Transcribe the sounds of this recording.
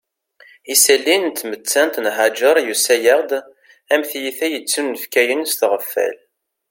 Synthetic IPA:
isælːint̪ːmət͡sːænt̪nɦad͡ʒəɾˤjusæjəʁd̪ | æmθjiθæjət͡sːunːəfkæjənst̪ʁəfːæ̰l

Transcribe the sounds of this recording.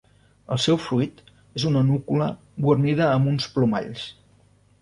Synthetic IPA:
ə̰lˠsɛwfɾuit̪ | ezunənukulə | βwurniðəːmbunspluma̰ʎs

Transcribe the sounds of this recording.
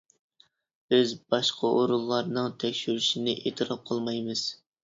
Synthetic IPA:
b̥ɪzbɑʃqʰɑʔoɾulˠːɑɾnɨŋt̪ʰɛkʲʃyɾyʃinɪʔḛt̪ʰɨɾɑp̚qʰɑlˠmɑjmɨz̥

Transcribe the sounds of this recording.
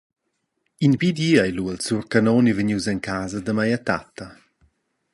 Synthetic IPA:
inpid̪iːajluəlsurkanɔnivəɲuzɛnkʰaːzəd̪əmajat̪a̰t̪a

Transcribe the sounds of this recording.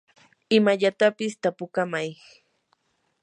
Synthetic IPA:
ɪmaʎat̪apɪst̪apʊkamaj

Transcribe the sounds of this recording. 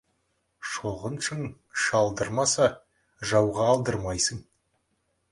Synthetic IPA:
ʃo̞ʁənʃəŋ | ʃɑlˠd̪əɾmɑsɑ | ʒɑwʁɑːlˠd̪əɾmɑjsəŋ

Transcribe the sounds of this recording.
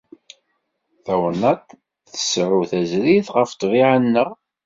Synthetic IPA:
θæwənɑt̪ | θə̥sʕuθæzɾiθʁəft̪ˤviʕənːəʁ

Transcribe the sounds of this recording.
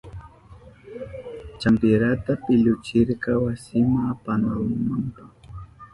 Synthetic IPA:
t͡ʃampɪɾat̪apɪʎʊt͡ʃɪɾkɑwasɪmapanalmampa

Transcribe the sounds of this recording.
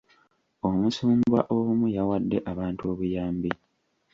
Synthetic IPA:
omusuːmbwa̰ʔomujawadːe̞ʔaβaːntuo̞βujaːmbi

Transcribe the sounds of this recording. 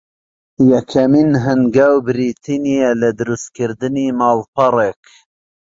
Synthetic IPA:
jɐkʰɐminɦɨnɡawbɪɾit̪ʰinijelɐd̪ɨɾust̪kɨɾd̪ɨniːmɑːlpɐrek

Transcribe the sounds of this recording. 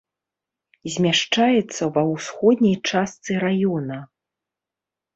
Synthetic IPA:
zʲmʲaʂt͡ʂajɛt̪sːɐvɐwsxɔd̪ʲnʲɐjt͡ʂast̪sɨɾajɔnɐ

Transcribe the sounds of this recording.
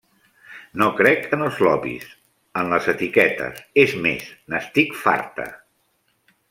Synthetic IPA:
nokɾɛkənəlˠzlɔβḭs | ənləzət̪ikɛt̪ə̰sezmḛsnəst̪ikfa̰ɾt̪ə̰

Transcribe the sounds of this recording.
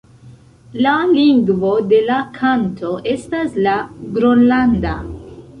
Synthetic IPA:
laliŋɡvo̞de̞lakʰantʰo̞ʔe̞staslaɡɾonlanda

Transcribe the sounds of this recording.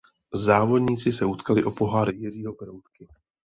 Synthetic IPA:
zaːvo̞dɲiːt͡sɪsɛut̪kalɪʔopo̞ɦaːɾɪjɪriːɦo̞kɾowt̪kɪ

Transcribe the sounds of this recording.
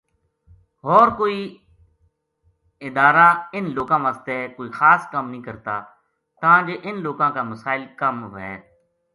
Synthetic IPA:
ɦɔːɾkoːiː | ɪd̪aːɾaːɪnloːkãːʋãːst̪eːkoːiːxaːskəmnĩːkəɾt̪a̰ː | t̪ãːd͡ʒeːʔɪnloːkãːkaːməsaːɪlkəmɦɛ̰ː

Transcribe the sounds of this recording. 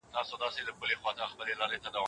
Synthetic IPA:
t̪ɑsod̪ɑsed̪əkʊlexwɑt̪axpəlelɑɾet̪ad̪aw

